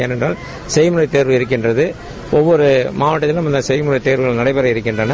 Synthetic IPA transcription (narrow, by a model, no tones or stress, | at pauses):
eːnɛndraːl | sɛjmʊɾɐɪt̪ːeːɾʋɯɪɾɯk̬ːɪndrɐðɯ | ʔɔʋːɔɾɯmaːʋɐʈːɐt̪ːɪlnɐmːɐɪnd̪ɐsɛjmʊɾɐɪt̪eːɾʋɯɣɐɭnɐɽɐɪpɐɾɐɪɾɯkːɪndrɐnɐ